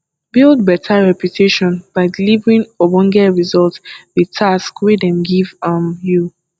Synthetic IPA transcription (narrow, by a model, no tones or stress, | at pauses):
bilˠd̚bɛtʰaɹɛpjutʰeʃɔ̃nb̥aɪdilivɹĩnɔbɔ̃ŋɡɛɹizɔltðitʰaskwedɛ̃mɡivʌ̃mju